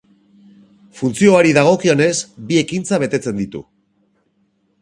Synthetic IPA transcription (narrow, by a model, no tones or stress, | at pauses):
funt͡sio̞aɾiðaɣ̞o̞kio̞ne̞sbie̞kint͡saβ̞e̞t̪e̞t͡se̞nd̪it̪ṵ